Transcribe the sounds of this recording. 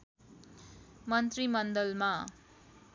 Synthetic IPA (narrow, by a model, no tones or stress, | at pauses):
mʌnt̪rimʌnd̪ʌlma